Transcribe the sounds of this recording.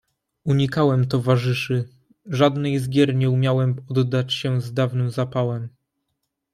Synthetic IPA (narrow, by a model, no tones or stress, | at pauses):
uɲikawɛmt̪ɔvaʐɘʂɘ | ʐad̪nɛjzɡʲjɛɾɲɛumʲjawɛmɔd̪ːat͡ɕɕɛzd̪avnɘmzapawɛm